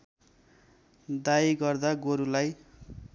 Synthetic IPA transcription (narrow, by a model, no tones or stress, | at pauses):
d̪ajɡʌrd̪aɡoɾulaj